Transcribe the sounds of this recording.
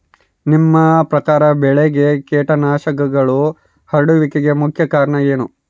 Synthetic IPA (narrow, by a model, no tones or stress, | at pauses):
nimːɐpɾɐkaːɾɐbɛɭeɡe̞keːʈɐnaːʃɐkɐɡɐɭu | hɐɽuʋikiɡe̞mukʰjɐkaːɾɳɐe̞ːnu